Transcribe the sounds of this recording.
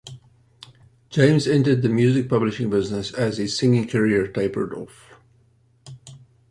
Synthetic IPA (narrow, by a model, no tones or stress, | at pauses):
d̥d͡ʒ̥ẽɪ̃mzɛ̃ntə˞d̪̚ðɨmjʉzɪk̚pʰʌblɪʃɪ̃ŋbɪznəsɨzɨsɪ̃ŋɪ̃ŋkʰəɹiəɹtʰeɪpə̰˞dɔ̰lf